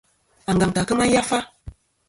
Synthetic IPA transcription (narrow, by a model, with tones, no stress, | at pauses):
a˨ŋɡa˨ŋta˨kə˦ma˦n˦ja˦fa˦